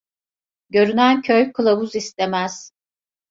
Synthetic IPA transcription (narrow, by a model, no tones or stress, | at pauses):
ɟø̞ɾynæncʰøjkʰɯlˠabuzist̪ʰemæz̥